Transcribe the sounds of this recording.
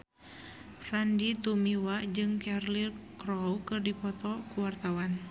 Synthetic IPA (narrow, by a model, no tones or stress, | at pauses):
sandit̪umiwad͡ʒɨŋkɛrlirkɾɔwkɨrdipɔt̪ɔkuwart̪awan